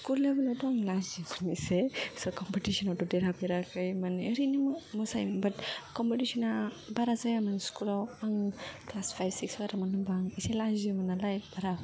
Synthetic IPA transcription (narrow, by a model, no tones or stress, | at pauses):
skullebɯlawtɔaŋlazimɯnisesɔkɔmpitisɔnatɔdeɾapeɾakɯjmanəɾinimmɔsa̰jmbɐtkɔmpetisɔna | baɾazajamanskulawaŋklaspʰajbsiksbaɾamanɯbaŋaselazimanalajbaɾa